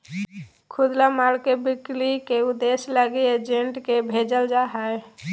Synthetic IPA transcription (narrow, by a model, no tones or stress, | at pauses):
kʰʊd̪lamaɽkebɪklikeʊd̪esləɡied͡ʒeɳʈkebʱed͡ʒəld͡ʒaɦɛe